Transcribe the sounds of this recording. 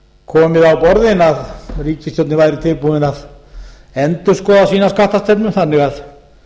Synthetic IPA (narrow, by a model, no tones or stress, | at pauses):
kʰɔːmɪðawpɔɾðɪnaðriːcɪst̪jowt̪nɪvajɾɪt̪ʰɪlpuðɪnað | ɛnt̪ʏ̥skɔːðasiːnaskaht̪ast̪ɛpnʏmθanːɪɣað